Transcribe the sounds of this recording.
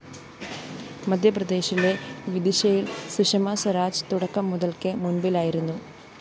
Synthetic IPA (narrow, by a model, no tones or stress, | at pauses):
mɐd̪ʱjɐprɐd̪e̞ːɕile̞ʋid̪iɕɐjilsiʂɐmaːsɐɾaːd͡ʑt̪uɽɐkːɐmːuðɐlkɨmunbilaːjiɾunːu